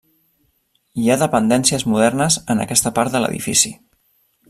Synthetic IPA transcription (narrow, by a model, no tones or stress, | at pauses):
iaðəpənd̪ɛnsiəzmuðɛrnəzənə̰kɛst̪əpaɾt̪̚d̪ələ̰ðḭfisi